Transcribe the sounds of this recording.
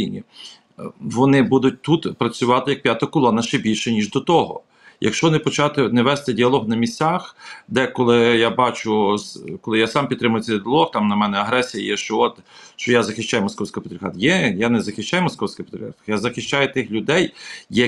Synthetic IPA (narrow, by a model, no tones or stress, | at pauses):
inʲḭ | ʋɔnɪbud̪ʊt̚ʲt̪ut̪pɾɐt͡sʲʊʋɑt̪ɪjɐk̚pjat̪ɐkɔlˠɔnɐʃt͡ʃɛbʲilʲʃɛnʲiʒd̪ɔt̪ɔɦɔ̰ | jɐ̰kʃt͡ʃɔʋɔnɪpɔt͡ʃɑt̪ɪnɛʋɛst̪ɛdʲiɐlˠɔɦnɐmʲisʲt͡sʲaxd̪ɛkɔlˠɪjabɑt͡ʃʊkɔlˠɪjasɑmpʲit̪t̪ːɾɪmʊjʊt͡sʲɐdʲiɐlˠɔxt̪ɑmnɐmɛnɛɐɦɾɛsʲijɐ̰jɛʃt͡ʃɔɔt̪ʃt͡ʃɔjazɐxɪʃt͡ʃːajmɔskɔwsʲkɪpʲeɪt̪ɾʲɪxa̰d̪jɛjanɛzɐxɪʃt͡ʃajmɔskɔwsʲkʲɪpɪt̪ɾʲɪaɾxajazɐxɪʃt͡ʃajʊt̪ɪxlʲʊd̪ɛjjɐ